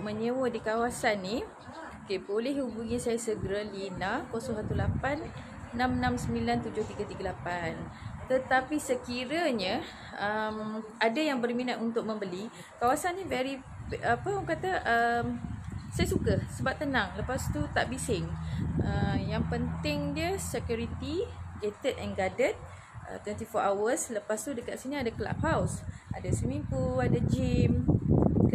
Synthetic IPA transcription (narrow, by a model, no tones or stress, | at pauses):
ʔmə̃ɲəwədikawasanːi | okebolɛhhubuŋĩsajasəɡəɾalinakosɔsat̪ulapanː | ãmnãmsəmbilant̪ud͡ʒʊht̪iɡat̪iɡalapan | t̪ət̪apisəkiɾaɲə | əmadajaŋbərminat̪unt̪ʊk̚məmbəli | kawasanːivɛɾi | apəoŋkat̪aʔəmsajasukasəbap̚t̪ənaŋləpast̪ut̪aʔbisɪŋəjaŋpənt̪ɪŋdiəsɛkjuɾit̪iɡet̪ətɛnɡadət̚ | ʔə̰t̪wɛnt̪ifɔʔawəsləpast̪udəkaʔ̪siniadakəla̰p̚hawsadasəmimpuadad͡ʒim